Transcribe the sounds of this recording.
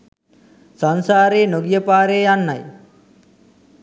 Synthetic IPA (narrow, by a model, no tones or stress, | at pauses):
sansaːɾeːnoɡijəpaːɾeːjanːaj